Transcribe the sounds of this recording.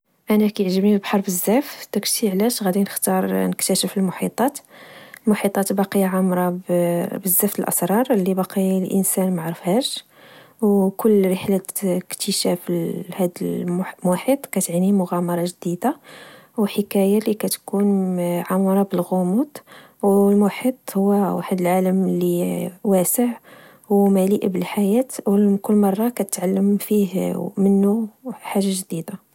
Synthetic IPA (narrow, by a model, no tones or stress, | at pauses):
ʔænækæjʕʒəbnilbħɑɾˤbəzːæft̪əkt̪iʕlæʃɣæd̪inəxt̪ɑɾˤnəkt̪æʃəfəlmʊħit̪ˤɑt̪lmʊħit̪ˤːɑt̪bɑqijaʕamɾˤɑbbəzːæft̪əlʔɑ̰sɾˤɑɾˤəlːibɑqʰilʔə̰nsænmaʕɾufhæʃ | wkʊlːɾəħləkt̪əʃæfhæd̪əmaħit̪ˤkæt̪ʕnimʊɣæmɑɾˤɑʒd̪id̪a | wəħəkæjalikæt̪kunʕamɾˤɑbəlɣʊmut̪ˤ | wlmaħit̪ˤhʊwːæwa̰ħəd̪əlʕaləmliwæsəʕ | wmæliʔbəlħajæt̪wəkʊlːmɑrˤːɑkæt̪ət̪ʕalːəmfihmənːuħaʒːaʒd̪id̪a